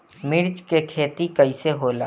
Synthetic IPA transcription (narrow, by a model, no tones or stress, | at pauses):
mɪɾd͡ʒkekʰeːt̪ikəiseɦoːla̰ː